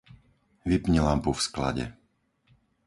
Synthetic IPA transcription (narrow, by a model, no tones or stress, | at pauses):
ʋipɲiɛlampufskla̰ɟɛ̰